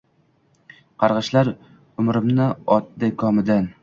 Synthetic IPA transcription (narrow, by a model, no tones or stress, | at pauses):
qʰɑɾʁɨʃlaɾ | ʊmɾɪmnɪɒt̪̚d̪akʰɒmɪd̪an